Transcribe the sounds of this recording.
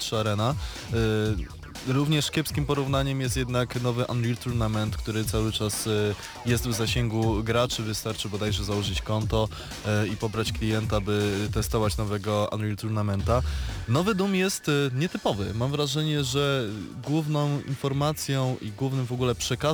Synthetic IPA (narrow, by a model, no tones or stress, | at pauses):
t̪ʂaɾɛna | ɾuvɲɛʂkʲɛpskʲimpɔɾuvn̪aɲɛmjɛst̪jɛd̪naknɔvɘʔanɾilt̪uɾnamɛnt̪kt̪uɾɘt̪sawɘt͡ʂas | jɛst̪vzaɕɛŋɡuɡɾat͡ʂɘvɘst̪aɾt͡ʂɘbɔd̪ajʐɛzawɔʐɘt͡ɕkɔnt̪ɔ | ipɔbɾat͡ɕklʲijɛnt̪abɘt̪ɛst̪ɔvat͡ɕnɔvɛɡɔa̰nɾilt̪uɾnamɛnt̪anɔvɘd̪umjɛst̪ɲɛt̪ɘpɔvɘ̰mamvɾaʐɛɲɛʐɛɡwuvnɔ̃w̃ḭnfɔɾmat̪sʲjɔ̃w̃ʔḭɡwuvnɘmvɔɡulɛpʂɛka